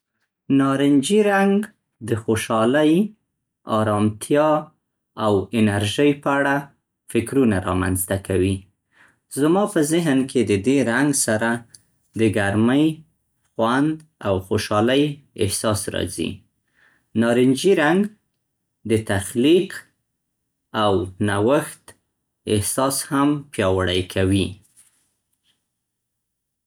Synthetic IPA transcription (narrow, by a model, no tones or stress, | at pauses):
nɑɾɪnd͡ʒiɾaŋɡ | d̪əxoʃɑləj | ɑɾɑmt̪ʰjɑ | awɪnaɾʒəjpəaɽa | fɪkɾunaɾɑ̰ma̰nzt̪akawi | zmɑpəzɪɦnkʰed̪əd̪eɾaŋɡsaɾa | d̪əɡaɾməj | xwand̪awxoʃɑləjɪhsɑsɾɑ̰zḭ | nɑɾɪnd͡ʒiɾaŋɡ | d̪ət̪axliq | awnawaxt̪ | ɪhsɑshampjɑwaɽəjkʰawi